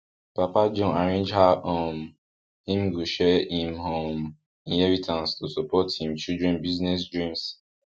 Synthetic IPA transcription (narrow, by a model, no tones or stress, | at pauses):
papad͡ʒɔ̃naɹẽnd͡ʒhaɔ̃m | hĩmɡuʃɛĩmhõm | ĩnɛvitʰãnstʰusɔpɔthĩmt͡ʃildɹɛ̃nbiznɛs̬dɹĩms